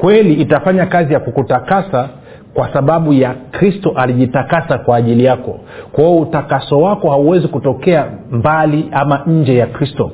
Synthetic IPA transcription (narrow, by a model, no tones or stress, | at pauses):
kwɛliːtafaɲakazijakukutakasa | kwasaɓaɓujakɾistɔʔaliʄitakasakwaːʄilijakɔ̰ | kwaɔutakasɔwakɔhauwɛzikutɔkɛambaliamaɲ̩d͡ʒɛjakɾistɔ